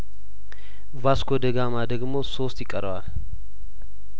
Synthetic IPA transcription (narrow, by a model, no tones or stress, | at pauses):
vaskod̪əɡamad̪əɡmo̞so̞st̪jɪkʼːəɾəwal